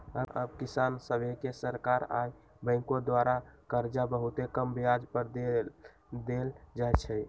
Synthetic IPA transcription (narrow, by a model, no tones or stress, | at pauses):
əəbkisansəbekesəɾkaɾa̰j | bə̃ɪ̃kod̪waɾakəɾd͡ʒabəɦut̪ekəmbjad͡ʒpəɾd̪e | d̪eld͡ʒajt͡ʃʰɛ